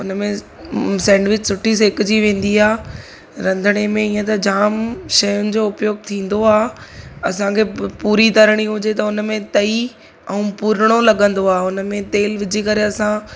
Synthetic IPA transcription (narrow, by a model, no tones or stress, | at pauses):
ʊnəmẽ | sɛ̃ːɳɖʋɪt͡ɕsʊʈʰis̬ɪkʊd͡ʑiʋẽːn̆d̪iaː | ɾɐ̃nd̪ʱəɽ̃emẽiːə̃t̪̬ɐd͡ʑaːmʃɐjʊnɪ̆d͡ʑoːʊpjoːɡ̚t̪ʰĩːn̆d̪oaːɐsãkʰepuːɾit̪ɐɾəɽ̃iɦʊd͡ʑet̪ɐʊnmẽt̪ɐi | ɐũpuːɾəɽ̃olɐɠə̃nd̪oaːʊnmẽt̪eːlʋɪd͡ʑʱikɐɾeɐsã